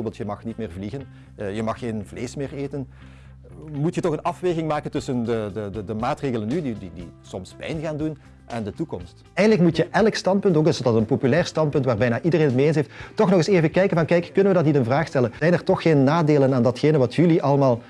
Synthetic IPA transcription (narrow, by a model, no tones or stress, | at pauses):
orbeːlˠtjəmɑxnit̚mɪːrvliɣən | jəmɑxːeːnvleːsmɪːreːtən | mutjətɔxənɑfʋeːɣɪŋmaːkəntɵsəndədədədəmaːtreːɣələnːydididḭsɔmspɛ̰jnɣaːndun | ʔɛndətukɔ̰mst | ɛjɣəndləkmutjəʔɛləkstɑnt̚pɵntoːkɪsdɑtənpopylɛːrstɑnt̚pɵntʋaːrbɛjnaːʔidəreːnətmeens̬ɦeːfttːɔxnɔxɪseːvəkɛjkənvɑnkɛjkːɵnənʋədɑtnitənvraːxstɛləzɛjnɛrtɔxːeːnːaːdeːlənaːndɑtxeːnənʋɑtjyliʔɑlˠmaːlˠ